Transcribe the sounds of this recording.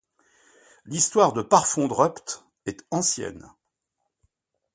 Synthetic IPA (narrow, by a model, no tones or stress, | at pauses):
list̪waʁd̪əpaʁfɔ̃d̪ʁœpt̪ | ɛt̪ɑ̃sjɛ̰n